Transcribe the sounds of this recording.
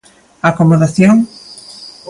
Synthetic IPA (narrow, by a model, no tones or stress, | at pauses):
akomoðaθjoŋ